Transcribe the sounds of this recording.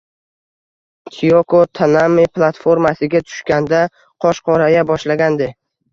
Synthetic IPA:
t̪ʰiokot̪ʰanamːeplˠat̪foɾmasɪɡʲat̪ʰʊ̥ʃkʲand̪a | qʰɒʃqʰɒɾajabɒʃlaɡʲand̪ɪ

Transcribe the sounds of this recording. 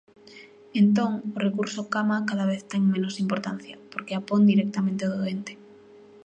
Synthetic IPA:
ent̪õŋorekuɾsokamakaðaβ̞eθt̪eŋmẽnosimpoɾt̪anθja̰poɾkeapond̪iɾek̚t̪amẽnt̪eoðoent̪e̥

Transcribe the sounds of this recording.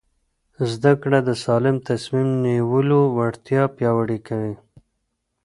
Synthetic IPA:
zd̪akɽad̪əsɑlɪmt̪asmimniwəlowaɽt̪jɑpjɑwaɽikawi

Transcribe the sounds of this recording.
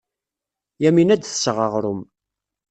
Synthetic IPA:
jæminæd̪θə̥sʁəʁɾʊm

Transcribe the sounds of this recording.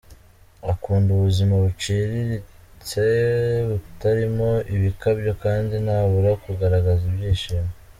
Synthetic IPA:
akuːnduβuzimaβut͡ʃiɾiɾi | t͡seβutaɾimo̞ʔiβikabɟo̞kaːndinaβuɾakuɡaɾaɡazibjiːʃime

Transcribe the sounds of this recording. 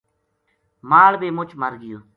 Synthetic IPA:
maːlbeːmʊt͡ʃməɾɡɪjoː

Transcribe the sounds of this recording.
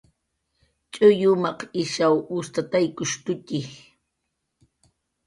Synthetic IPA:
t͡ʃʼʊjʊmɑqɪʃawʊst̪at̪ajkʊʃt̪ʊtɪh

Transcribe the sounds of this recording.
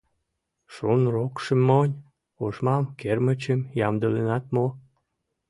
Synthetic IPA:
ʃunrokʃə̆mːonʲ | oʃmɑmkermə̆t͡ɕəmjɑmd̪əlenɑt̪mo

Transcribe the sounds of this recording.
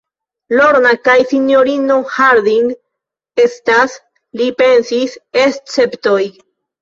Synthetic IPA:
loɾnakajsinjoɾinohaɾd̪iŋɡ | est̪as | lipe̞nsisest͡sept̪oj

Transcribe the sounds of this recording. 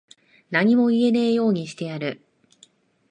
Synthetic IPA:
naɲ̟imo̞ie̞naijo̞ːɲ̟iɕi̥t̪e̞jaɾɯ̟

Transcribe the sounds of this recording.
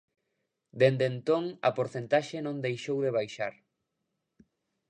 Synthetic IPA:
d̪end̪ent̪oŋɐ̰poɾθent̪aʃenõnd̪ejʃowðeβ̞ajʃa̰ɾ

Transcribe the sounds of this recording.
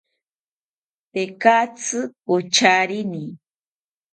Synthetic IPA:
t̪ekat͡sɨpot͡ʃaɾini

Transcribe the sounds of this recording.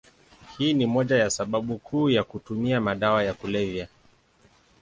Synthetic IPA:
hiːnimɔʄajasaɓaɓukʰuːjakutumiamaɗawajakulɛvia

